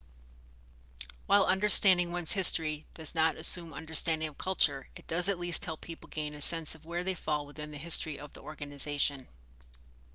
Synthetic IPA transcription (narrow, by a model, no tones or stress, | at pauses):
waɪlˠʌ̃ndə˞stæ̃ndɪ̃ŋwʌ̃nz̥hɪstɹ̥id̥ʌznəɾɨsʉ̃mʌ̰̃ndə˞stæ̃ndɪ̃ŋʌv̥kʰʌlˠt͡ʃə˞ɨt̚d̥ʌzɨtˡlist̚hɛlˠpʰipl̩ˠɡẽɪ̃nɨsɛ̃nsʌvwə˞ðeɪfɔlˠwəθɪ̃nðɨɦɪstɹ̥iʔʌvðiɔɹɡɨnɨzeɪʃɨ̃n